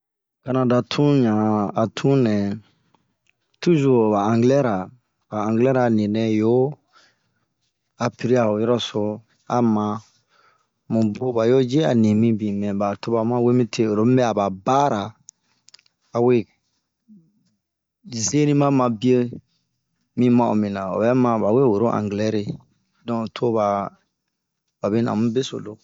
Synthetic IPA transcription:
ka˨nã˨da˨tʰũ˦ɲã˨a˨tʰũ˦nɛ̃˨ | tu˦zu˨o˨ba˨ã˨ŋɡlɛ˦ɾa˨ | ba˨ã˨ŋɡlɛ˦ɾa˨nĩ˨nɛ̃˨jo˦ | a˨pi˨ɾi˦a˨o˨jɔ˦ɾɔ˦so˨ | a˨mã˨ | mũ˨bo˦ba˨jo˦d͡ʒe˦a̰˨nĩ˨mĩ˦bĩ˨mɛ̃˨ba˨to˦ba˨mã˦we˦mĩ˦tʰe˦o˨ɾo˨˦mĩ˦bɛ˦a˨ba˨ba˦ɾa˨ | a˨we˦ | ze˦nĩ˦mã˦mã˧bi˦e˦ | mĩ˦mã˦˨o̰˨mĩ˨nã˨o̰˨βɛ˦mã˨ba˨we˦wo˨ɾo˦ʔã̰˨ŋɡlɛ˦ɾe˨ | dɔ̃˦˨tʰo˦βa˨ | ba˨be˦nã̰˨mũ˦be˦so̰˨lo˦

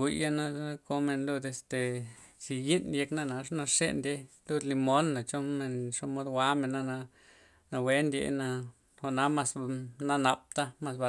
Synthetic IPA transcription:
i˧ja˦na˦ko˧me˧nlu˧d̪e˧st̪e˨t͡ʃi˧ji˦nje˧kna˦˧na˧ʂna˧ʂḛ˧nd̪ʲe˧lu˧d̪li˧mo˦nːa˨t͡ʃo˦me˧nʂo˦mo˧d̪wa˦me˨nːa˦na˧ | na˧we˦nd̪ʲjḛ˧na˧ | xo˧ʔna˦ma˧sna˧na˨p̚t̪a˦ma˧sba˧

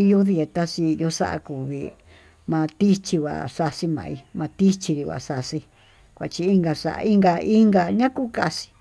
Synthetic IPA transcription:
i˧ju˦ði˧e˧t̪a˧si˧jo˧˦ʂa̰˦ʔa̰˧ku˨βḭ˧ | mã˧t̪i˦t͡ʃi˧βa̰˨sa˧si˧mã̰˨˧i˧mã˧t̪i˦t͡ʃi˧ɾi˧βa̰˨ʂa˧si˧ | kʷa˨˧t͡ʃi˧i˧ŋɡa˧ʂa̰˧ʔa̰˧i˦ŋɡa˧i˦ŋɡa˧ɲã˦ku˦ka˦˧si̥˧

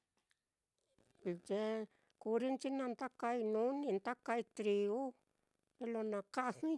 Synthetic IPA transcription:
d͡ʒe˧ | ku˧ɾi˦nt͡ʃi˦nã˧nt̪a˦ka˧i˧nũ˦nĩ˧nt̪a˦ka˧i˧t̪ɾi˧u˦ | ɾe˧lo˧nã˧ka˦˧hĩ˦

